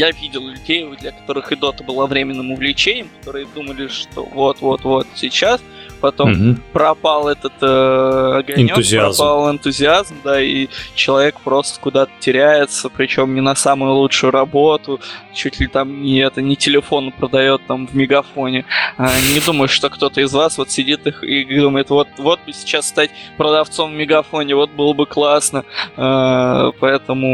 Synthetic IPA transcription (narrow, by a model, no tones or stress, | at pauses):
javʲidʲɪlˠlʲʉdʲejʊd̪lʲəkɐ̥t̪o̞ɾɨxɨd̪o̞t̪əbɨlˠavɾʲemʲɪnːɨmʊvlʲɪt͡ɕenʲɪjəmkɐ̥t̪o̞ɾɨjəd̪uməlʲɪʂt̪o̞̰vo̞t̪vo̞t̪vo̞t̪sʲɪt͡ɕaspɐt̪o̞mpɾɐpalˠɛt̪ət̪əɐɡɐnɪnʲot̪ʊzʲɪazpalˠɪnt̪ʊzʲɪazmd̪ait͡ɕɪlˠɐvʲe̞kpɾo̞st̪ə̥kʊd̪at̪ə̥tʲɪɾʲæjɪt̪səpɾʲɪt͡ɕo̞mnʲɪnɐsamʊjʊlˠuʂʊjʊɾɐbo̞t̪ʊt͡ɕutʲlʲɪt̪amnʲɪɛt̪ənʲɪtʲɪlʲɪfo̞nəpɾəd̪ɐjo̞t̪ːamvmʲɪɡɐfo̞nʲɪanʲɪd̪uməjɪʂʂt̪o̞kt̪o̞t̪əɪzvasvo̞t̪sʲɪdʲit̪ɨxid̪uməjɪt̪vo̞t̪̚vo̞t̪̚bɨsʲɪ̥t͡ɕasːt̪atʲpɾəd̪ɐft̪so̞mvmʲɪɡɐfo̞nʲɪvo̞t̪̚bɨlˠəbɨklˠasnəapɐɛt̪əmʊ